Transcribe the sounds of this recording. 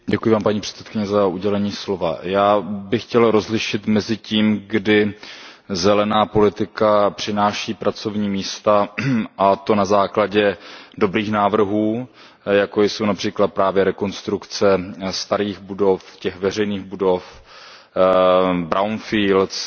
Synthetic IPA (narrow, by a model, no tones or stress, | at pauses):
ɟɛkujɪvaːmpaɲiːpr̝̥ɛ̥t̪t͡sɛ̥t̪̚kɪɲɛzaʔuɟɛlɛɲiːslo̞va̰jaːbɪxcɛlɾo̞zlɪʃɪt̪mɛzɪciːmɡdɪ | zɛlɛnaːpo̞lɪt̪ɪkapr̝̥ɪnaːʃiːpɾat͡so̞vɲiːmiːst̪aʔat̪o̞nazaːklaɟɛdo̞bɾiːxnaːvr̩ɦuː | jakojso̞wnapr̥iːklat̪̚pɾaːvjɛɾɛko̞nst̪ɾukt͡sɛst̪aɾiːɣbudo̞fcɛxvɛr̝ɛjniːɣbudo̞f | bɾʔawnfiːlt